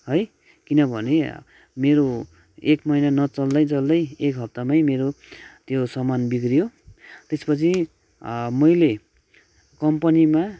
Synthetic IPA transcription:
ɦʌj | kinʌbʱʌne | meɾo | ekmʌinanʌt͡sʌld̪ʌjt͡sʌld̪ʌjekɦʌp̚t̪amajmeɾot̪josʌmanbikrijot̪espʌt͡sʰi | mʌjle | kʌmpʌnima

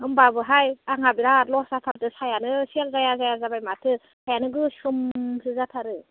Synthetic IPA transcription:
hɯmbabɯɦajaŋabiɾalɔsatʰaɾtɯsajanɯselzajazajazabajmatʰɯ | sajanɯɡɯsɯmhɯzatʰaɾɯ

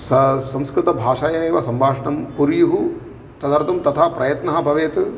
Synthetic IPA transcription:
sɐsɐ̃mskɾɨt̪ɐbʱaːʂaːjɐjeːʋɐsɐmbʱaːʂɐɳɐmkuɾjuɦu | t̪ɐd̪ɐɾt̪ɐmt̪ɐt̪ʰapɾʔɐjɐt̪nɐɦɐ̆bʱɐʋeːt̪

